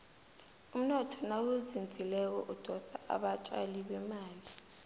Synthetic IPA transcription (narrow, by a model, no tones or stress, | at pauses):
um̩nɔtʰɔnawuzind͡zʱilɛk̬ɔ̰ʔud̥ʱɔsa̰ʔa̰ɓat͡ʃʼaliɓɛmaːli